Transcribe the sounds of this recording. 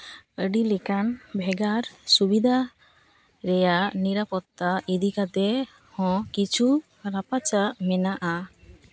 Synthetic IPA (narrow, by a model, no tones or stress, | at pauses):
əɖilɛkanbʱɛɡaɾsubid̪ʱa | ɾɛjaʔniɾapɔt̪ːaid̪ikat̪ɛ | hɔ̃kit͡ʃʰu | ɾapat͡ʃaʔmɛnaʔa